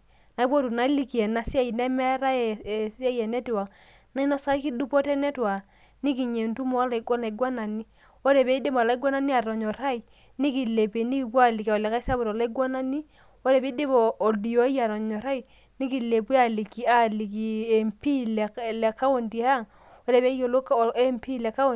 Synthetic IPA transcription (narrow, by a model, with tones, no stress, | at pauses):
na˨i˦po˦tu˨na˨˦li˦ki˨ɛ˨na˨sa˦i˨nɛ˦mɛ˦ɾa˦˨sa˦jɛ˨nɛ˦ti˨wa˨ | na˦i˦nɔ˦sa˦ki˦du˦pɔ˦tɛ˦nɛ˦twa˨ | ni˦ki˨ɲe˨ntu˦mo˨a˦la˨i˨ɡɔ˦na˨i˨ɡwa˦na˨ni˦ | o˦ɾe˨pe˦i˦de˦m˨la˦i˦ɡɔ˦na˦ni˦a˨ɾɔ˨ɲɔ˨ɾa˦i˨ | ni˦ki˨le˨pe˨ni˦ki˨pa˦˨li˨ka˨ɔ˨le˨ka˦sa˦bu˨ɾla˦i˦ɡwa˦na˦ni˦ | o˦ɾe˨be˦de˦bɔː˨di˨jo˨˦ja˨ɾɔ˨ɲɔ˨ɾa˦i˨ | ni˦ki˨le˨pwi˦a˨li˨ki˨a˨li˨k̬i˨e˨mpi˦lɛ˨le˨ka˦wo˨nti˨a˦˨ŋ | o˦ɾe˨be˦jo˨lo˦ke˦mpi˦˨lɛ˨ka˦˨